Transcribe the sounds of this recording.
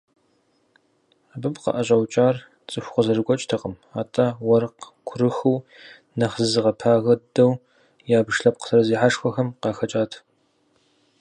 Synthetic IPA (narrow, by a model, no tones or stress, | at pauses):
abɨpqɐ̰ʔɐɕʼɐwt͡ʃʼaːr | t͡sʼɨxʷqʷɐzɐrɨɡʷʼɔt͡ʃʼtʰɐqəm | aːtʼawɐrq | kʷʰʊrɨxɨw | nɐχzɨzɨʁɐpʰaːɣɐdɐw | jaːbɨʃɬɐp̚qsʰɐɾɐziːħaʂxʷɔxɐmqɑːxɐt͡ʃʼaːtʰ